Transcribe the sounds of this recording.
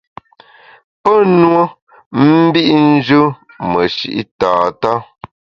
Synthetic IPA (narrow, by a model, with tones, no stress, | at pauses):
pə˦nwo˦ | m̩˦bi˦ʔn̩˦d͡ʒə˦ | mə˨ʃḭ˨ʔḭ˦taː˨ta˦